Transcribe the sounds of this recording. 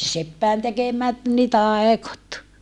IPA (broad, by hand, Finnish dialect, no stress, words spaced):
sepːæin tekemæt ni tɑˑekot